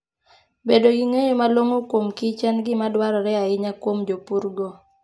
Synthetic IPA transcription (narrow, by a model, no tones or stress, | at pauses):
bedoɡiŋeɲomalwoŋokwomkɪt͡ʃɛnɡɪmadwaɾɔɾɛaɪɲakwomd͡ʒopuɾɡɔ